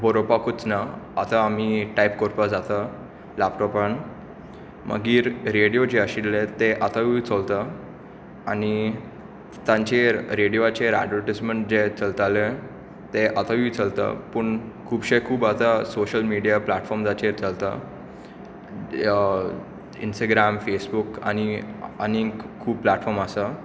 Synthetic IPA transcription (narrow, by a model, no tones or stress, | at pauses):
bəɾopakut͡snaːt̪aːm̤iʈajpkɔɾpad͡zat̪a | lapʈɔpan | mə̰ɡiːɾɾeɽijod͡ʑeəɕiɽlet̪eʔat̪aʋit͡solt̪a | añi | t̪ãɲt͡ɕeɾɾeɽijoat͡ɕeɾa̰ɖʋəɾʈisməɳʈ̚d͡ʑet͡səlt̪ale | t̪eʔat̪aʋiːt͡səlt̪a̰pəɳkʰuːbɕekʰuːbat̪asoɕəlmiɽijaplaʈfɔɾmd͡zat͡ɕeɾt͡səlt̪a̰ | ḭnsʈaɡɾamfesbuka̰ñiañikʰuːb̚plaʈfɔɾməsa